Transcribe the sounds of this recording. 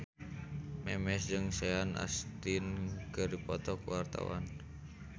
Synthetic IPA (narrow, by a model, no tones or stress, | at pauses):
mɛmɛsd͡ʒɨŋsɛanʔa̰st̪inkɨrdipɔt̪ɔkuwart̪a̰wa̰n